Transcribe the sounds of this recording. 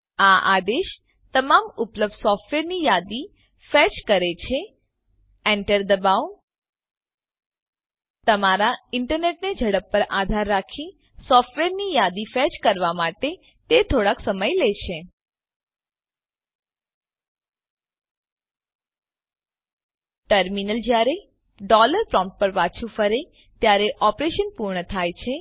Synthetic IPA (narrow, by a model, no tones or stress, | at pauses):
aʔa̰d̪eʃ | t̪əmamʊpləb̚d̪sɔfʈʋeɾnijad̪i | fɛt͡ʃkəɾet͡ʃʰe | ɛɳʈəɾd̪əbaʋ | t̪əmaɾaɪɳʈəɾneʈned͡ʒʱəɽəpːəɾad̪ʱaɾːakʰi | sɔfʈʋeɾnijad̪ifɛt͡ʃkəɾʋamaʈe | t̪et̪ʰoɽaksəməjlet͡ʃʰe | ʈəɾminəld͡ʒjaɾe | ɖɔləɾpɾɔ̃mʈ̚pəɾʋat͡ʃʰũfəɾe | t̪jaɾeʔɔpɾeʃənpuɾɳət̪ʰajt͡ʃʰe